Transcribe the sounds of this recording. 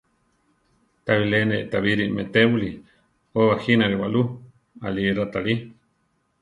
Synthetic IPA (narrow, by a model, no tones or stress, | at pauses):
t̪aβileneʔt̪aβiɾimet̪eβuli | oβaxinaɾiwaʔlu | a̰lirat̪ali